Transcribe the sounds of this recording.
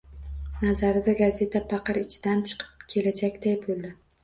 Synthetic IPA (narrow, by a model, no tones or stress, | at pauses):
nazaɾɪd̪aɡaze̞t̪ʰapʰɑqɨɾɪt͡ʃʰɪd̪ant͡ʃʰɨ̥qʰɨ̥p̚kʲʰe̞lad͡ʒakʲd̪ajbolˠd̪ɪ